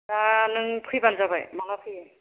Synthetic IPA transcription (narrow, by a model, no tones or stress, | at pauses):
anɯŋpʰɯjbanzabajmaŋapʰɯjaj